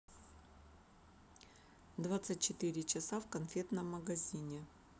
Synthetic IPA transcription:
d̪vat̪sɨt̚ʲt͡ɕɪt̪ɨɾʲɪt͡ɕɪsafkɐnfʲe̞t̪nəmːəɡɐzʲinʲɪ

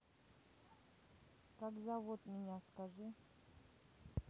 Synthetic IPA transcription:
kakzavot̪mʲɪnʲaskaʐɨ

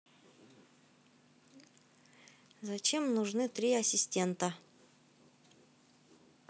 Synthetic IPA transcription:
zɐt͡ɕe̞mnʊʐnɨt̪ɾʲiɐsʲɪsʲtʲe̞nt̪ə

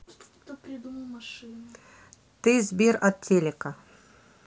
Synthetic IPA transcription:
pɾʲɪd̪umlˠmʂɨn | t̪ɨzʲbʲirɐt̪̚tʲːelʲɪkɐ

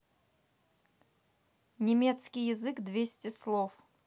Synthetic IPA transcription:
nʲɪmʲet̪skʲɪjɪzɨkd̪vʲesʲtʲɪslˠof

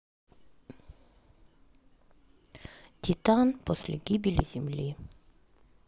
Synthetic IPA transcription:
t̪ʰit̪anpʰɔslḛɡibilizimli

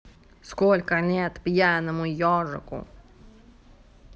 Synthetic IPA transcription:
skɔlʲkənʲɛt̪pʲjanəmʊjɔʐə̰kʊ̰

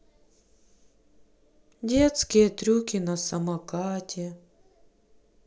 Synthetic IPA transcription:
dʲet̪skʲɪjɛt̪ɾʲukʲɪnɐsɐmɐkatʲɛ

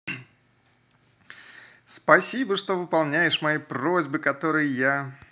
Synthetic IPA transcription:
spɐsʲibəʂt̪o̞vɨpɐlˠnʲæjɪʂmɐjipɾozʲbɨkɐt̪o̞ɾɨjja

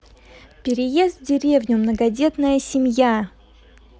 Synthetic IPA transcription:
pʲɪɾʲɪjest̪ʲdʲɪɾʲevnʲʊmnəɡɐdʲe̞t̪nəjəsʲɪmʲja

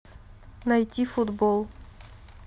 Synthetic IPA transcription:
nɐjtʲifʊd̪bolˠ

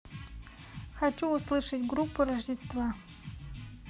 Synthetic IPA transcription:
χat͡ʃʼuːslɨʂetɡrupʰːuraʐdestva

